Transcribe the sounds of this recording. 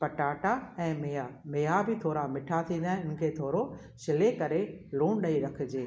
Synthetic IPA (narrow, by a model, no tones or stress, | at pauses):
pɐʈaːʈaɛ̃ːmeːameːabʱɪt̪ʰoːɾamɪʈʰat̪ʰĩːn̆d̪aːɦɪ̃ʊnɪ̆kʰeːt̪ʰoːɾo | ʃɪlekɐɾeluːɳ̃ɗɐiɾɐkʰɪ̆d͡ʑeː